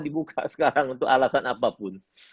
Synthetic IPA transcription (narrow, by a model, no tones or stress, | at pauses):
dibukʰa̰sə̥kaɾaŋunt̪ʊkalasanapapʊn